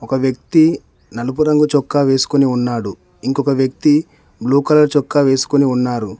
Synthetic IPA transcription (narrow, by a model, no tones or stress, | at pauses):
ɔkɐʋjɐk̚t̪i | nɐlup̬uɾɐŋɡut͡ʃɔkːaːʋe̞ːsu̥koniunːaːɽu | iŋkɔkɐʋjɐk̚t̪i | bluːkɐlɐɾt͡ʃɔkːaːʋe̞ːsu̥koniunːaːɾu